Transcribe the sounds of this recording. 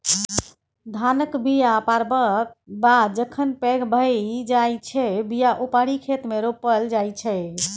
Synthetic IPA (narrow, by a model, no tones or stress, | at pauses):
d̪ʱanəkbijapaɾbəkbad̪d͡ʒəkʰənpɛɡbʱəd͡ʒajt͡ʃʰɛbijaʔupaɽikʰet̪meɾopəld͡ʒajt͡ʃʰɛ